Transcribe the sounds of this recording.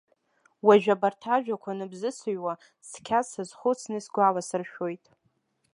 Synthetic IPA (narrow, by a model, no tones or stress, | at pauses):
waʒᶣabartʰaʒᶣakʷʰanɨbzɨsɨɥwa | skʲʰasɨzχʷʊt͡sʰnɨsɡʷalasɨrʃᶣojtʼ